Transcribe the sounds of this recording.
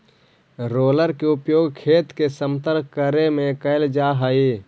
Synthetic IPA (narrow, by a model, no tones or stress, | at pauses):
ɾoːləɾkeʊpjoːɡkʰeːt̪kesə̃mt̪əɾkkəɾemẽkəɪld͡ʒaːɦəi